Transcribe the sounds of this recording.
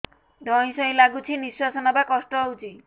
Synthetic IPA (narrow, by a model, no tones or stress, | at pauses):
d̪ɔj̃sɔj̃laɡut͡ʃʰiniswasɔnɔbakɔsʈɔɦowt͡ʃʰi